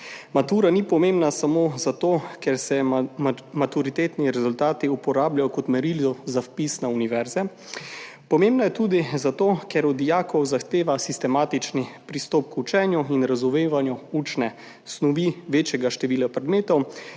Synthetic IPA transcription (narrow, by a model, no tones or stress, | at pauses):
mat̪uːɾanipɔmembnasamozat̪oːkɛɾsɛ | mat̪uɾit̪eːt̪niɾɛzult̪aːt̪iupɔɾaːbljajɔkɔt̪mɛɾiljɔzafpisnauniʋɛɾzɛ | pɔmeːmbnajɛt̪uːd̪izat̪oːkɛɾɔd̪ijaːkɔwzaxt̪eːʋasist̪ɛmaːt̪it͡ʃnipɾist̪ɔːp̚kut͡ʃɛːnjuinɾazumeːʋanjuut͡ʃnɛ | snɔʋiʋeːt͡ʃjɛɡaʃt̪ɛʋiːlapɾɛd̪meːt̪ɔw